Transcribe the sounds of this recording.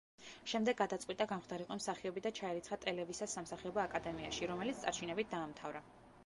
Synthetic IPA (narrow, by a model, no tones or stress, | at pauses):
ʃɛmd̪ɛɡːad̪at̪sʼwit̪ʼaɡamχd̪aɾiqʼɔmsaχiɔbid̪at͡ʃʰaɛɾit̪χat̪ʼɛlɛvisasːamsaχiɔbaːkʼad̪ɛmia̰ʃiɾɔmɛlit̪st̪sʼat͡ʃʰinɛbit̪̚d̪aːmt̪ʰavɾa